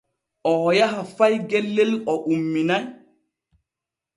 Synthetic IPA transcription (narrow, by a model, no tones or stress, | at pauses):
ʔɔjaɦafajɡɛlːɛlɔʔumːinaj